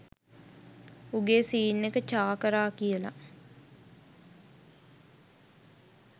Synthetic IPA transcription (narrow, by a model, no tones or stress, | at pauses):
uɡeːsiːnːekət͡ʃaːkəɾaːkijəla̰